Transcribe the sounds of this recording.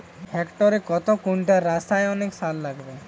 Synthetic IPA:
hekʈɔɾekɔt̪ɔkuɳʈaɾast̪ajɔneksalːaɡbe

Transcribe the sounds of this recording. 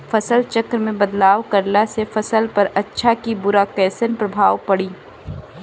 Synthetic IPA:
fɐsəlt͡ʃɐkɾəmẽbɐd̪laːʋkɐɾlasefɐsəlpɐɾɐtːʃʰakibʊɾakɛːsənpɾɐbʱaːʋpɐɽiː

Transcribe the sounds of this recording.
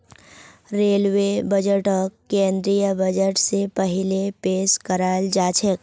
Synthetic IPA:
ɾeːlwebəd͡ʒəʈɔkːẽːnd̪ɾijəbəd͡ʒəʈsepɐɦɪlepeːskəɾaːld͡ʒaːt͡ʃʰek

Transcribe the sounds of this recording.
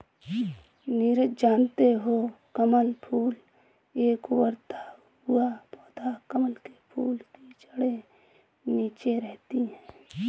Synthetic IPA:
niɾəd͡ʒaːnt̪eɦokəməlpʰuːl | eːkwəɾt̪ʰa | ʊapɔːt̪ʰakəməlkepʰuːlt̪it͡ʃəɽe | niːt͡ʃeɾɛɦt̪iɦɛ̃ː

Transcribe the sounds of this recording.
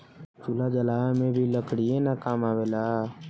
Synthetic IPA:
t͡ʃulad͡ʒəlaːemẽbʱiləkɽienakaːmaːwelaː

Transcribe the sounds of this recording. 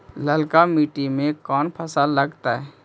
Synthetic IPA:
ləlkamiːʈimẽkɔːnpʰəsalːəɡt̪aɦɛː

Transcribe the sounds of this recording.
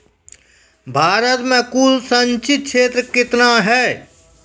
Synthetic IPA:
bʱaːɾət̪mẽkuːlsəɲt͡ʃɪt̪̚kʃʰeːt̪ɾəkɪt̪naɦɛː

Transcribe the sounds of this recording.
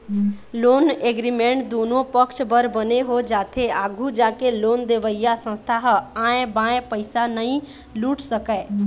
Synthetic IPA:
loneɡɾimeɳʈd̪unopəkt͡ʃbəɾbəneɦod͡ʒat̪ʰeaɡʱud͡ʒakelond̪eʋəjjasə̃st̪ʰaɦãẽbãẽpəɪsanəĩ | luʈʰsəkə

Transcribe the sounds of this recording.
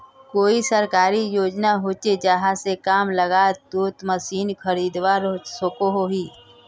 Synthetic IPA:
koːisəɾkaːɾijoːd͡ʒnaɦoːt͡ʃed͡ʒəɦãsekaːmləɡaːd̪uːt̪məsiːnkʰəɾiːd̪ʋaɾosokoɦoɦiː

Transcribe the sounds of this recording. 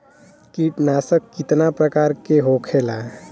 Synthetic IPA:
kiːʈnaːsəkːɪt̪napɾəkaːɾkeɦoːkʰeːla

